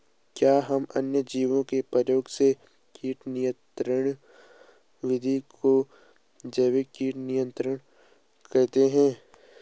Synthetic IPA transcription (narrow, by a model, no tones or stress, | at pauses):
kjaːɦɐmɐnjəd͡ʒiːʋõkepəɾjoːɡse | kiːʈnijə̃t̪ɾəɳ̃ | ʋɪd̪ʱikʰo | d͡ʒɐːʋekiːʈnɪjə̃nt̪ɾəɽ̃ | kɐɾt̪eɦɛ̃ː